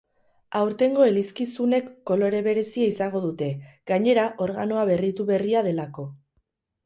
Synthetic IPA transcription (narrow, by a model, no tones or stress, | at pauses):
awɾt̪e̞ŋɡo̞eliskisune̞kːo̞lo̞ɾe̞βe̞ɾe̞siaisaŋɡo̞ðut̪e̞ɡ̥aɲe̞ɾaʔo̞ɾɣ̞ano̞aβe̞rit̪uβe̞riað̞e̞lako̞